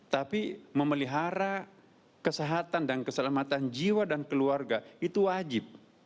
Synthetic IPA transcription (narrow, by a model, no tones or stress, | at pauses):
t̪apiməməliɦaɾa | kəseɦat̪andankəsəlamat̪and͡ʒiwadankəluarɡait̪uwad͡ʒɪp̚